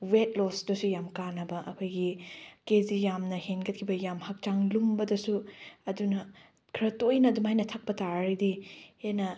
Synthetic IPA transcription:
wet̚losdusujamkanɐbɐʔɐkʰojɡikezijamnɐhenɡɐt̚kʰibɐjamhɐk̚t͡ʃaŋlumbɐdɐsuɐdunɐ | kʰɾɐtojnɐdumajnɐtʰɐk̚pɐtaɾɾidienɐ

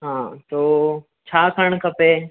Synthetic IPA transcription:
ɦãːt̪oː | t͡ɕʰaːkʰəɽ̃kʰɐpeː

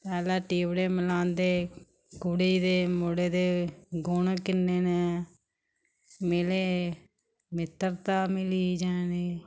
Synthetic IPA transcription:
pɛːlaːʈiːʋɽeːməlãːnd̪eː | ɡʊɽiːd̪eːmoɽeːd̪eːɡʊːnːkɪnːeːneː | meːleː | mɪt̪ːəɾt̪aːmɪliːd͡ʒãːneː

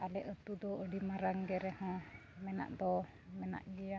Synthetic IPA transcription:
alɛʔət̪ud̪ɔəɖimaɾaŋɡɛɾɛhɔ̃ | mɛna̰ʔd̪ɔ | mɛna̰ʔɡija

